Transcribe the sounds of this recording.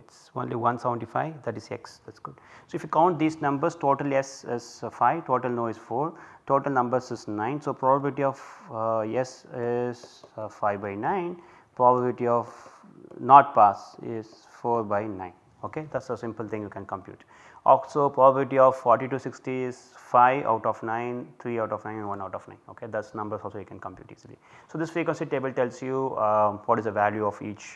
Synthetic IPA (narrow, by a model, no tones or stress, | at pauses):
ɪʈsõ̰ːnliʋʌ̃nsɛʋə̃ɳʈifa̰ɪʋd̪æʈɪzḛksd̪æʈsɡ̥ʊɖsoːɪifjukãʊ̃ɳʈ̚d̪iːznʌ̃mbəɾsʈoːʈəlɛsɪz̥faɪʋʈoːʈəlnoːɪzfoːɾʈoːʈəlnʌ̃mbəɾsɪznãɪ̃nsoːpɾɔbəbɪlɪʈiɔfjɛsɪz̥faɪʋbaɪnãɪ̃n | pɾɔbəblʈiɔʋ | nɔːʈ̚paːsɪ̰z̥ | foːɾbaɪnãɪ̃n | oːked̪æʈsəsɪ̃mpəlt̪ʰɪ̃ŋjukɛ̃nkə̃mpjṵːʈ | ɔlsopɾɔbɐbɪlɪʈiɔʋfɔːɾʈiʈuːsɪksʈiɪz̥faɪʋʔa̰ʊʈɔfnãɪ̃nt̪ʰɾiːaʊʈɔfnãɪ̃nɛ̃nʋʌ̃naʊʈɔfnã̰ɪ̃no̰ːked̪ɐsnʌ̃mbəɾɔːlsoːjukɛ̃nkə̃mpjṵːʈḭːzilḭsoːd̪ɪsfɾeːkwə̃nsiʈ̚ʈeːbəlʈɛlsjuʋɔːʈɪzəʋæljuɔfiːt͡ʃ